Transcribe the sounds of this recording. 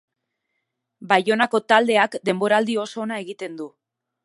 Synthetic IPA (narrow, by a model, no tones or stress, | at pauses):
bajo̞nako̞t̪ald̪e̞akd̪e̞mbo̞ɾald̪io̞so̞ːnae̞ɣit̪e̞nd̪u